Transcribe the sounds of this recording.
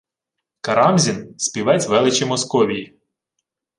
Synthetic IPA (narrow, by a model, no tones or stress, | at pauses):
kɐɾɑmzʲinsʲpʲiʋɛt͡sʲʋɛlˠɪt͡ʃimɔskɔʋʲiji